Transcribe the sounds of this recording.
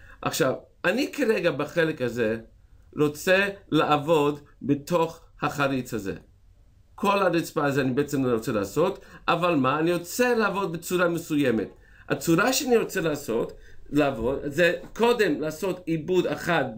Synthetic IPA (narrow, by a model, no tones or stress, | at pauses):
ʔa̰χʃav | anikeɾeɡabaχelekhaze | ɾo̞t͡selaʔːvo̞dbeto̞χhaχaɾit͡shazḛ | kʰo̞lhaɾit͡spaazeanibeet͡semloɾot͡selaːso̞tavalmaːniɾo̞t͡selaavo̞d̪̚bet͡suɾamesujemet | a̰t͡suɾaʃeaniɾo̞t͡selaːso̞t | laavodzeko̞de̞mlaːso̞tibudaχat̚